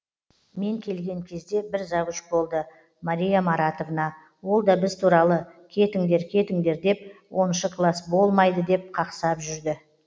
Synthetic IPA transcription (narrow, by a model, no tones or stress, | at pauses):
me̞ŋkʲʰe̞lɡʲe̞ŋkʲʰe̞zd̪e̞bɪɾzɑʁəʃbo̞lˠd̪ə | maɾijamɑɾat̪o̞vənɑ | wo̞lˠd̪ɑbɪzt̪ʰuɾɑlˠəkʲʰe̞t̪ɪŋd̪e̞ɾkʲʰe̞t̪ɪŋd̪e̞ɾd̪e̞p̚wʔo̞nʃəkʰlˠɑsbo̞lˠmɑjd̪əd̪e̞p̚qʰɑqsɑpʒʏɾd̪ɪ